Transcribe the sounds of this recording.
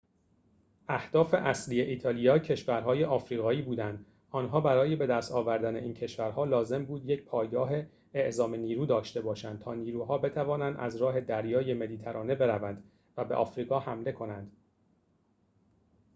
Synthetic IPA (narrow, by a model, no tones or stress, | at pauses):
ʔæhd̪̥ɒːfe̞ʔæslije̞ʔiːt̪ʰɒːlijɒːcʰe̞ʃvæɾɦɒːjeʔɒːfɾiːɣɒːiːbuːd̪ænd̪ | ɒːnɦɒːbæɾɒːje̞be̞d̪æst̪ɒːvæɾd̪æne̞̰ʔiːncʰe̞ʃvæɾɦɒːlɒːze̞mbuːd̪je̞cʰpʰɒːjɡɒːɦeː | ʔzɒːme̞niːɾuːd̪ɒːʃt̪e̞bɒːʃænd̪̚t̪ʰɒːniːɾuːɦɒːbe̞t̪ʰævɒːnænd̪ʔæ̰zɾɒːɦe̞d̪æɾjɒːje̞me̞liːt̪ʰæɾɒːne̞be̞ɾævænd̪ | væbeʔɒ̰ːfɾiːɣɒːhæmle̞kʰo̞nænd̪̥